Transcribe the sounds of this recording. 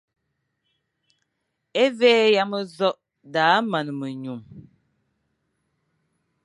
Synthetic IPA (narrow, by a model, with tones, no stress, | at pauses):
e˦veː˦ja˦mə˦zɔ˦ʔ | daː˨˦ma˨nə˨mə˨ɲu˨m